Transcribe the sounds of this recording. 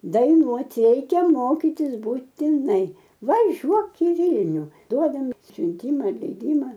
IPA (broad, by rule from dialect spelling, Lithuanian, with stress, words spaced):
dɐɪˈnuɔtʲɪ ˈrʲɛɪkʲɛ ˈmoːkʲiːtʲɪs buːtʲɪˈnɐɪ ʋɐˈʒʲuɔk ɪ ˈʋʲiːlʲnʲʊ ˈduɔdɐm sʲʊnʲˈtʲiːmɐ lʲɛɪˈdʲiːmɐ